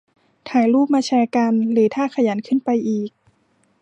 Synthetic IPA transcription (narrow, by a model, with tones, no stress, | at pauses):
t̪ʰaː˩˦jɾuː˥˩p̚maː˧t͡ɕʰɛː˧ka˧nlɯː˩˦t̪ʰaː˥˩kʰa˧jaː˩˦nkʰɯ˥˨npa˧jʔiː˨˩k̚